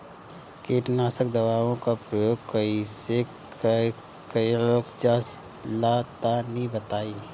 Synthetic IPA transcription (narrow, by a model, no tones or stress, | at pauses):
keːʈnaːsək̚d̪əβaːʋõkapɾəjoːɡ̚kəise | kəiloːkd͡ʒaːs | laːt̪anĩbət̪aːiː